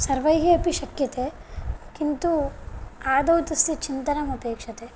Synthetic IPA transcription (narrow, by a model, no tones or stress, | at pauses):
sɐɾʋɐjɦiɐpiʃɐkjɐt̪ekint̪u | aːd̪ɐwt̪ɐst̪it͡ʃint̪ɐnɐmɐpeːkʂɐt̪e